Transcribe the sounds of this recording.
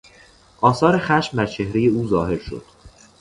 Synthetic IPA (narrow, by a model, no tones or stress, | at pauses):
ʔɒːsɒːɾe̞xæʃmd̪æɾt͡ʃʰe̞hɾeje̞uːzɒːɦe̞ɾʃo̰d̪̥